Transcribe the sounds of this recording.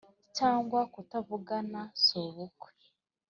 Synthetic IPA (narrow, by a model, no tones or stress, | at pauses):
caːŋɡwakutaβuɡanasoːβukwe̥